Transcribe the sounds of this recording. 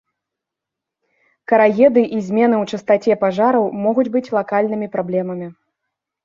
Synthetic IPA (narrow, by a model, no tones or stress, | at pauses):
kɐɾaɣʲɛd̪ɨʔizʲmʲɛn̪ɨwt͡ʂɨst̪at͡sʲɛpaʐaɾɐwmɔɣud͡zʲbɨt͡sʲlˠakalʲnɨmʲipɾablʲɛmɐmʲi